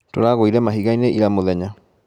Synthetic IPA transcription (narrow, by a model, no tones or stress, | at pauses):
toɾaɣoiɾɛmaɦiɣaineʔiɾamoðɛɲa